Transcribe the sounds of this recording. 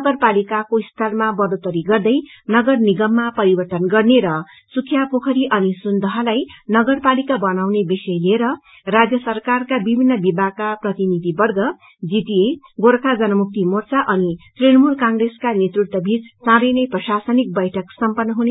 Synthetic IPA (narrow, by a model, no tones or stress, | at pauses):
nʌɡʌrpalikakoist̪ʰʌrmabʌɾot̪ʌɾiɡʌrd̪ʌjnʌɡʌrniɡʌmːapʌɾibʌrt̪ʌnɡʌrneɾʌ | sukʰːjapokʰʌɾiʔʌnisund̪ʌɦʌlajnʌɡʌrpalikabʌnawnebisʌjlieɾʌ | rad͡zjʌsʌrkarkabibʱinːʌbibʱaɡ̚kaprʌt̪inid̪ʱibʌrɡʌ | d͡ziʈie | ɡoɾkʰad͡zʌnʌmuk̚t̪imort͡saʔʌnit̪rinʌmulkaŋreskanet̪ruʈ̚t̪ʌbit͡ssãɾʌjnʌjprʌsasʌnik̚bʌjʈʰʌksʌmpʌnːʌɦune